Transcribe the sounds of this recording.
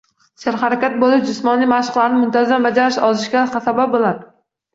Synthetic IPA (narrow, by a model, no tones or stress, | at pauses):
saɾχaɾakʲat̪̚bolɪʃd͡ʒɪsmɒnlɪjmaʃɪ̥qlˠaɾɪnɪmʊnt̪ʰazambad͡ʒaɾɪʃɒzɪʃkʲaχasabap̚bolad̪ɪ